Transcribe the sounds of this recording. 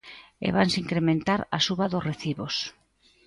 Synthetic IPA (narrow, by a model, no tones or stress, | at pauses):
ḛβansiŋkɾemẽnt̪aɾa̰suβaðʊsreθiβos